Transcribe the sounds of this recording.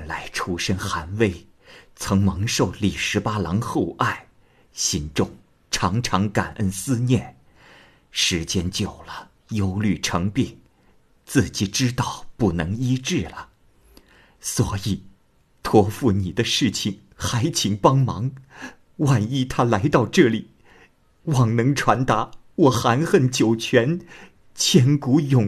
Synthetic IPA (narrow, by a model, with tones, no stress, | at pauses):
nla˧˥ɪʈ͡ʂʰu˥ʂə˥nxa˧˥nwe˥˩ɪ | t͡sʰɤ˧˥ŋmɤ˧˥ŋʂo˥˩ʊli˨˩ʂɻ̩˧˥pa˥lɑ˧˥ŋxo˥˧ʊʔa˥˩ɪ | ɕi˧˥nʈ͡ʂʊ˥˩ŋ | ʈ͡ʂʰɑ˧˥ŋʈ͡ʂʰɑ˧˥ŋka˨˩nʔə˥nsɹ̩˥njɛ˥˩n | ʂɻ̩˧˥t͡ɕjɛ˥nt͡ɕjo˨˩ʊlə˦ | jo˥ʊly˥˩ʈ͡ʂʰɤ˧˥ŋpi˥˩n | t͡sɹ̩˥˩t͡ɕi˧˩ʈ͡ʂɻ̩˥t̪ɑ˥˩ʊpu˥˩nɤ˧˥ŋi˥ʈ͡ʂɻ̩˥˩lə˩ | swɔ̰˧˥i˨˩ | t̪ʰwɔ˥˧fu˥˩ni˨˩d̪ə˦ʂɻ̩˥˩t͡ɕʰi˨˩ŋ | xa˧˥ɪt͡ɕʰi˧˥ŋpɑ˥ŋmɑ˧˥ŋ | wa˥˩ni˥˩t̪ʰa˥la˧˥ɪt̪ɑ˥˧ʊʈ͡ʂɤ˥˩li˨˩ | wɑ˨˩ŋnɤ˧˥ŋʈ͡ʂʰwa˧˥nt̪a˧˥ | wɔ˨˩xa˧˥nxə˥˩nt͡ɕjo˨˩ʊt͡ɕʰɥɛ˧˥n | t͡ɕʰjɛ˥nku˧˥jʊ˨˩